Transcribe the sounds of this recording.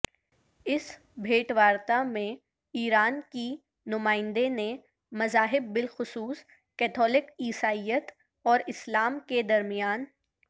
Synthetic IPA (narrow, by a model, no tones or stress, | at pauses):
ɪs | bʱeːʈʋaːɾt̪amẽ | iːɾaːnki | nʊmaːɪ̃nd̪enẽ | mɐzaːɦɪbːɪlxʊsuːs | kɛːt̪ʰɔːlɪkiːsaːijət̪ | ɔːɾɪslaːmked̪ɐɾmijaːn